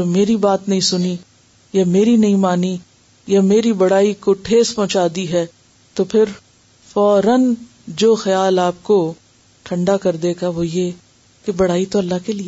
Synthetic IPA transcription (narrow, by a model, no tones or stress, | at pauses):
meːɾibaːt̪nɐɦĩsʊni | jameːɾinɐĩmaːni | jameːɾibɐɽ̤aːikoʈʰeːzpɔ̃ɦt͡ʃaːd̪iɦɛː | t̪opʰɪɾ | fɔːɾən | d͡ʒoːxɐjaːlaːp̚ko | ʈʰɐ̃ɳɖakɐɾd̪eːɡaʋoje | kebɐɽ̤aːit̪oɐlːaɦkeli